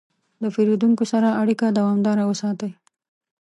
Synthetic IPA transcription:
ləfeɾed̪uŋkosaɾaaɽikad̪awɑmd̪ɑɾawəsɑt̪əj

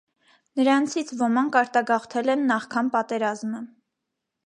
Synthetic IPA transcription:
nəɾɑnt͡sʰit͡sʰvɔmɑŋkʰɑɾt̪ɑɡɑχt̪ʰɛlɛnːɑχkʰɑnpɑt̪ɛɾɑzmə

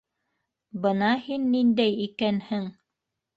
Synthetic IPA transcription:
bɤnɑhinːind̪æjikænhɘŋ

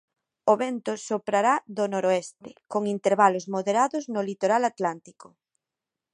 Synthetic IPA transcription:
oβent̪osopɾaɾaðonoɾoest̪ekoŋint̪eɾβalozmoðeɾaðoznolit̪oɾalat̪lant̪iko

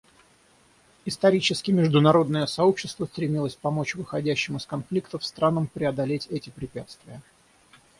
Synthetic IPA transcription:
ɪst̪ɐɾʲit͡ɕɪskʲɪmʲɪʐd̪ʊnɐɾo̞d̪nəjəsɐo̞pɕːɪst̪vəst̪ɾʲɪmʲilˠəsʲpɐmo̞t͡ɕvɨxɐdʲæɕːɪmʊɪskɐnflʲikt̪əfst̪ɾanəmpɾʲɪɐd̪ɐlʲetʲɛtʲɪpɾʲɪpʲæt̪st̪vʲɪjə

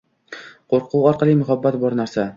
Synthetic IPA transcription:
qoɾqʰuwɒɾqɑlˠijmʊχabːat̪bɒɾnaɾsa

